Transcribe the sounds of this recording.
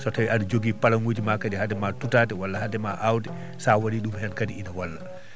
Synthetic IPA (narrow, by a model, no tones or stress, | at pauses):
sɔtawiʔaɗud͡ʒoɡiːpalaŋwod͡ʒimakadihadɛmatutatɛwalːahadɛmaʔawdɛ | sawaɗiɗumhɛnkadiʔinawalːa